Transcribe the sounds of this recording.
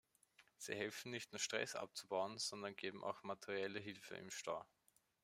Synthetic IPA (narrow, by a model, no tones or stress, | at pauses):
z̥ḭːhɛlfn̩nɪçtnuːɐʃtʁ̥ɛ̰sʔa̰p̚t͡subaʊənz̥ɔndɐnɡ̥eːbm̩ʔa̰ʊxmatʰəʁiɛləɦɪlfə̰ɪ̰mʃta̰ː